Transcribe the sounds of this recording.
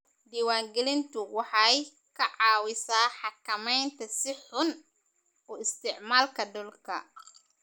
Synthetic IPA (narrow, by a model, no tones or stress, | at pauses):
d̪iːwaːŋɡɛlɪnt̪ʰʊwɑħɑj | kʰɐʕɑːwɪsaːħɑkʰɐmɛjnt̪ʰɐsɪħʊn | ɔːɪst̪ʰɪʕmaːlkʰɐdɔlkʰɐ̰